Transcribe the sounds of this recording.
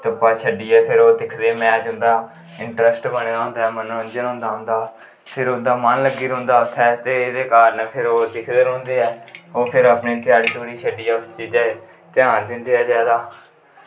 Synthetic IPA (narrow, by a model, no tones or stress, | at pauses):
t̪əpːaːt͡ʃʰəɖiːɛːpʰɪɾoːd̪ɪkʰd̪eːmɛ̃ːt͡ʃʊnd̪aː | ɪɳʈɾəsʈbəneːd̪aːɦʊ̃nd̪aːɦɛːməñːə̃nd͡ʒənɦõːnd̪aːɦʊ̃nd̪aː | pʰɪɾʊnd̪aːmənləɡːiːɾə̃ːnd̪aːʊt̪ʰːɛːt̪eːɪd̪eːkaːɾnəpʰɪɾoːd̪ɪkʰd̪eːɾɦõːnd̪eːɛːoːpʰɪɾəpneːp̪ɪjaːɽiːt̪oːɽiːʃʰəɖiːɛːʊst͡ʃiːd͡ʒaːeː | t̪ɪãːnd̪ɪnd̪eːɛːzjaːd̪aː